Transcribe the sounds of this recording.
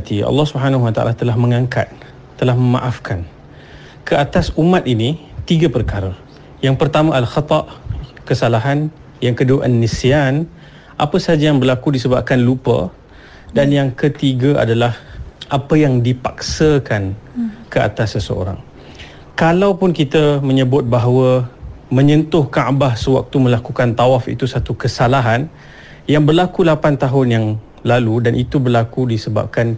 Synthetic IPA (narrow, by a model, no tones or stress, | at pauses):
t̪ḭlːɑhsubəɦanaɦuwat̪aʔa̰lat̪əlaɦmə̃ŋaŋka̰t̪̚ː | əlahməmã̰ʔafkʰan | kʰəat̪asumat̪init̪iɡapərkaɾa | jaŋpərt̪amãʔalxɑt̪ɑʔkəsalaɦan | jaŋkəduaʔanːisijan | ʔapəsad͡ʒajaŋbərlakudisəbap̚kanlupə̰ | danjaŋkət̪iɡaa̰dalahʔapəjaŋdipak̚səkankəa̰t̪asəsəo̰ɾa̰ŋ | kalawpʊnkit̪əmə̃ɲəbʊt̪̚baɦwəmə̃ɲə̃nt̪ʊhkaʔbahsəwa̰k̚t̪umə̃lakukant̪awafḭt̪usat̪ukəsalaɦan | jaŋbərlakulapant̪aɦʊnjaŋ | laludanʔit̪ubərlakudisəba̰p̚kan